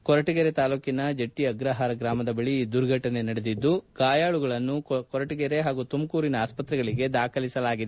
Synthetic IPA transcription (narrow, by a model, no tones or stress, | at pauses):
kɔɾɐʈiɡɛɾet̪aːluːkinɐd͡ʒeʈːiɐɡɾɐɦaːɾɐɡɾaːmɐd̪ɐbɐɭiːd̪uɾɡʱɐʈɐne̞nɐɽed̪id̪ːuɡaːjaːɭuɡɐɭɐnːukɔɾɐʈiɡɛɾe̞ɦaːɡut̪umkuːɾinɐaːspɐt̪ɾɛɡɐɭiɡe̞d̪aːkʰɐlisɐlaːɡid̪e